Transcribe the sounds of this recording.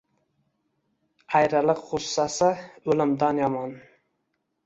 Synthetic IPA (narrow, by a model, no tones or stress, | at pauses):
ajɾalɪqːʊsːasɪɵlɪmd̪anjɒmɒn